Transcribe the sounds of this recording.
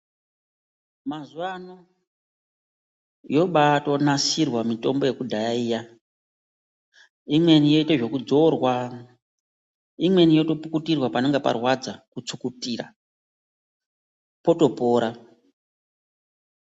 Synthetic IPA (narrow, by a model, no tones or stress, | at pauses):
mazuwano | jo̞ɓato̞nasirwamito̞mbo̞je̞kudʱajaiːja | imwe̞nijo̞itoʐo̞kud͡zo̞rwa | imwe̞nijo̞to̞pukutirwapanoŋɡepa̰rwad͡zakut͡sukutiːra̰ | po̞to̞po̞ːɾa